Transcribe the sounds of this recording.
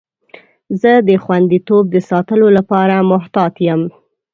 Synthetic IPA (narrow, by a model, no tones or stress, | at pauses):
zəd̪əxwand̪it̪ob̚d̪əsɑt̪əlolapɑɾamʊɦt̪ɑt̪jəm